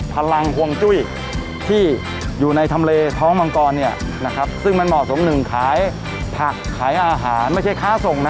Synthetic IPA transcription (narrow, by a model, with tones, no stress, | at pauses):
pʰa˧la˧ŋkʰu˧əŋt͡ɕu˥˩j | t̪ʰiː˥˩ | juː˨˩na˧jt̪ʰa˧mleː˧t̪ʰɔː˦˥ŋma˧ŋkɔː˧nːi˥˩ɐ | na˦˥kʰɾa˦˥p̚sɯ˥˩ŋma˧nmɔ˨˩t̪so˩˦mnɯ˨˩ŋkʰaː˩˦j | pʰa˨˩kʰːaː˩˦jʔaː˧ɦaː˩˦nma˥˩jt͡ɕʰa˥˩jkʰaː˦˥˩so˨˩ŋna˦˥